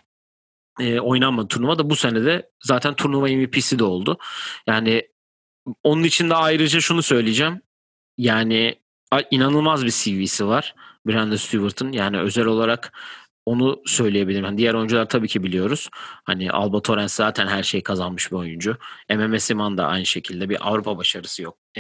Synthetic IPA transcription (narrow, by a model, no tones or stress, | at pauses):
ɛːo̞jnanmad̪ɯt̪ʰuɾnuvad̪abusenɛd̪ɛ | zaːt̪ʰænt̪ʰuɾnumaimipʰisid̪ɛo̞lˠd̪ʊjaːnɪ | o̞nunit͡ʃʰind̪ɛajɾɯd͡ʒaʃunusø̞jlʲijd͡ʒɛm | jaːnɪ | aʔinanɯlˠmazbisivisivaɾ̥biɾænd̪ɛst̪ʰuvɯɾt̪ʰɯnjaːnɪø̞zælʲo̞lˠaɾak | o̞nusø̞jlʲejebilʲiɾmhand̪ijæɾo̞jund͡ʒulˠaɾt̪ʰabiːcʰibilʲijo̞ɾuz̥ha̰nɪʔa̰lˠbat̪ʰo̞ɾænszaːt̪ʰænɦæɾʃe̞jkʰazanmɯʃbio̞jund͡ʒʊememɛsimand̪a̰a̰jnɯʃe̞cʰilʲd̪ɛbiʔa̰vɾupʰabaʃaɾɯsɯjok̪̚